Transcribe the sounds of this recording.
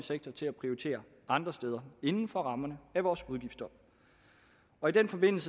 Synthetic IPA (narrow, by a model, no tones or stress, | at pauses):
əseɡ̥̚t͡sʰɐt͡sʰe̝læpʰʁioʁit͡sʰe̝̰ːɐ | ɑ̈nd̥ʁɐsd̥eːð̞ˠɐe̝nn̩fɒ̽ʁɑ̈mɐnəæʋɒːsuðˠɡ̥ifd̥ɒ | ɒ̽id̥enfɒ̽be̝n̰l̩sə